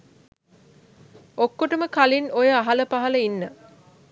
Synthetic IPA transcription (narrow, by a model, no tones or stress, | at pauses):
okːoʈəməkalinojəaɦɐləpaɦɐləinːə